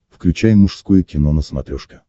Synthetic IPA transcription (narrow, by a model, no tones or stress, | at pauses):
fklʲʉt͡ɕæjmʊʂskojʊkʲɪnonəsmɐt̪ɾʲoʂkʲɪ̥